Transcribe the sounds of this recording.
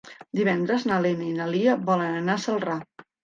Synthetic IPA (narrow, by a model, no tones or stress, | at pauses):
d̪iβ̞ɛnd̪ɾəznəlenəinəliəβɔlənənasəlˠra